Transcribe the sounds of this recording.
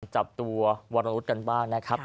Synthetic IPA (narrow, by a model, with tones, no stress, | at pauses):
nt͡ɕa˨˩p̚t̪u˧ɐwa˧nːa˧ɾu˦˥t̪̚ka˧nbaː˥˩ŋna˦˥kʰa˦˥p̚